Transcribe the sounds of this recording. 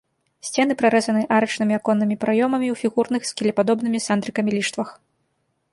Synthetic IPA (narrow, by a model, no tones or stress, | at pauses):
sʲt͡sʲɛnɨpɾaɾɛzɐnɨʔaɾɐt͡ʂnɨmʲiakɔnːɨmʲipɾajɔmɐmʲiwfʲiɣurnɨxskʲilʲɛpad̪ɔbnɨmʲisand̪ɾɨkɐmʲilʲiʂt̪vɐx